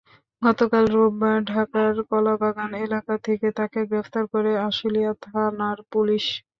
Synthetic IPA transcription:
ɡɔt̪okalɾobːaɖʱakaɾkɔlabaɡanelakat̪ʰeket̪akeɡɾeft̪aɾkoɾeaʃilijat̪ʰanaɾpuliʃ

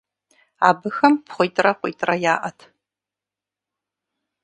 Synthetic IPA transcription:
aːbɨxɐmpʰχʷʊjtʼrɐqʷʼʊjːtʼrɐjaːʔɐtʰ

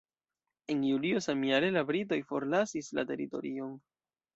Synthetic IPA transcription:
e̞njulio̞samiaɾe̞labɾit̬o̞jfo̞ɾlasisla̰te̞̰ɾḭto̞̰ɾio̞n

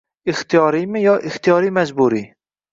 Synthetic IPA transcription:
ɪxt̪ijɑːɾiːmɪjɑːʔɪxt̪ijɑːɾiːmɛzbuːɾiː

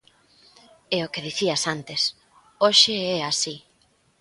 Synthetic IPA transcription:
eʊkeð̞iθiasant̪es | oʃeɛasi

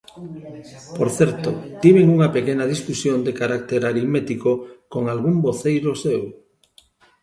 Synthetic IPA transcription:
poɾθeɾt̪ot̪iβeŋuŋapekenað̞isfusjond̪ekaɾak̚t̪eɾaɾimet̪ikokoŋalɣ̞umboθejɾosew

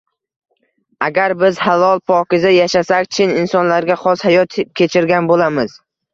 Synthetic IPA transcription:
aɡʲaɾbɪz̥halɒlˠpʰɒkʲɪzajaʃasakʲt͡ʃʰɪnɪnsɒnlaɾɡʲaχɒshajɒt̪kʲʰe̞t͡ʃʰɪɾɡʲanbolamɪz̥

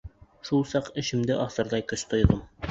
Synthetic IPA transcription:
ʃulˠsɑqɘ̆ɕɘ̆md̪ɘʔɒsɤ̆ɾd̪ɑjkɵʃt̪ŏjðɤm

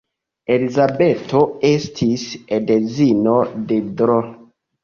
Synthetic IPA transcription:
elizabetoestʰisedezinodedɾo

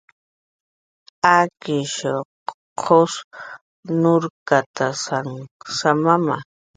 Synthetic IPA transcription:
akɪʃo | qʰos | nʊɾkat̪asaŋsamama̰

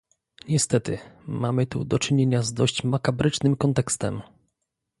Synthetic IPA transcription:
ɲɛst̪ɛt̪ɘmamɘt̪ṵd̪ɔt͡ʂɘɲeɲazd̪ɔɕt͡ɕmakabɾɘt͡ʂnɘmkɔnt̪ɛkst̪ɛ̰m

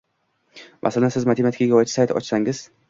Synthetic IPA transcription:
mʔa̰salansɪzmat̪ʰimat̪ʰkʲaɡʲaɒjt͡ʃʰɪ̥sajt̪ʰɒ̰t͡ʃsaŋɪz̥

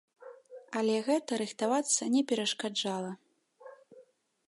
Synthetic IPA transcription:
alʲɛɣɛt̪ɐɾɨxt̪avat̪sːɐnʲɛpʲɛɾɐʂkad͡ʐalˠɐ

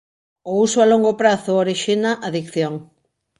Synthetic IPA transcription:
ousʊaloŋɡopɾaθʊoɾiʃinaʔaðikθjoŋ

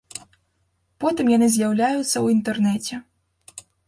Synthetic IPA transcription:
pɔt̪ɨmjanɨzʲjawlʲajut̪sːɐwint̪ɛrnɛt͡sʲɛ

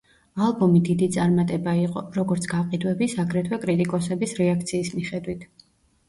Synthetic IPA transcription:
alˠbɔmid̪id̪it̪sʼaɾmat̪ʼɛbaiqʼɔɾɔɡɔɾt̪sʰɡ̥aqʼid̪wɛbisaɡɾɛt̪ʰwɛkʼɾit̪ʼikʼɔsɛbisɾɛakʰt̪sʰiːsmiχɛd̪wit̪ʰ

